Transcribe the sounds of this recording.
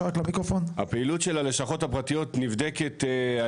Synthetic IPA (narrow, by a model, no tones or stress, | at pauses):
aklamikʁofona̰peilutʃe̞laleʃaχo̞thapʁat̪ijo̞t̪nivd̪eket̪a